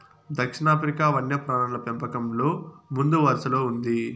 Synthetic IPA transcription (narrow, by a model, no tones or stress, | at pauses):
d̪ʱɐkʂiɳaːpʰɐɾikaːʋɐnjɐpɾaːɳɐlɐpempɐkɐmlo̞ːmund̪uʋɐɾsɐloːund̪i